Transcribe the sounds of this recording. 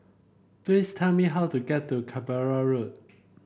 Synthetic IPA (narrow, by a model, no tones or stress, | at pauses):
plistʰɛlmiɦaʊtuɡɛt̚dəkʰabaɹaɹod̚